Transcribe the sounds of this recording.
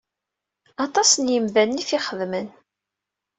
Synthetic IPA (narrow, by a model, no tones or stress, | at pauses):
ɑt̪ˤɑsənjəmðænːiθiχəðmən